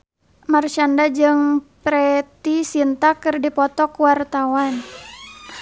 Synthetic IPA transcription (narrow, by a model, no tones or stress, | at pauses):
mart͡ʃandad͡ʒɨŋpɾɛt̪isint̪akɨrdipɔt̪ɔkuwart̪awan